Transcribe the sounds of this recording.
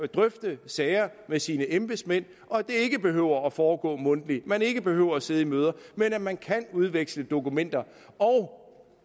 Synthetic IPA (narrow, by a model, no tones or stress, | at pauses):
d̥ʁœfd̥əsɛːɪɐmesiːnəʔemb̥esmen̰ | ʔɒ̽d̥e̝e̝ɡ̥əb̥e̝ɦøʊ̰ɐːfɒːɡ̥ɔ̰̽ːmɔ̽n̰d̥əlimæne̝ɡ̥əb̥e̝hø̰ʊ̰ɐːse̝ðˠimøːð̞ˠɐmenæmænkʰænuð̞ˠʋeɡ̥sləd̥o̝kumen̰d̥ɐ | ɒʊ